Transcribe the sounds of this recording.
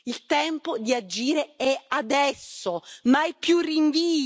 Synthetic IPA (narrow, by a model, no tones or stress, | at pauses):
ilt̪ɛmpod̪iad͡ʒiːɾeɛad̪ɛsːomaɛpːjuriɱviː